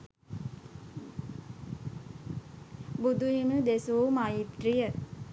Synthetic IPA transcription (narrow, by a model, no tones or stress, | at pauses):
bud̪uɦinud̪esumaːjit̪ɾijə